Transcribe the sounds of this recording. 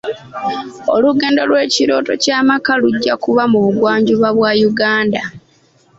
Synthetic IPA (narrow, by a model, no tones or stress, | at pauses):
o̞luɡe̞ːndo̞lwe̞ːciɾo̞ːto̞caːmakaluɟːakuβamuβuɡwaːɲɟuβaβwajuɡaːnda